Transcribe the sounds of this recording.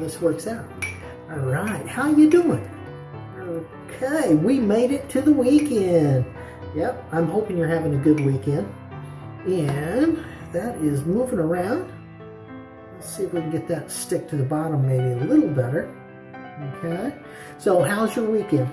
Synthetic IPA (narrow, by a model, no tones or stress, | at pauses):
ðɪswɜ˞ksaʊt̚ | ɔlˠɹaɪt̚haʊə˞jɨduɪ̃ŋ | oʊ | kʰeɪwimeɪɾɨtʰɨðəwikɛ̃nd | jɛp̚ãɪ̃mhoʊpɪ̃ŋjə˞hævɪ̃ŋɨɡʊd̚wikɛ̃nd̥ | ɨ̃n | ðɨɾɪzmuvɪ̃ŋə˞ãʊ̃nd̥ | sifiɡɛt̪̚ðɨtstɪk̚tʰɨðɨbɑɾə̃mːeɪbiəlɪɾl̩ˠbɛɾə˞ | oʊkʰeɪ | soʊɦaʊzjə˞wikɛ̃nd̥